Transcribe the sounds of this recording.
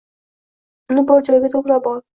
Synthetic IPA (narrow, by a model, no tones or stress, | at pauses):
ʊnɪbɒɾd͡ʒɒjɡʲat̪ʰoʁɾabɒɾ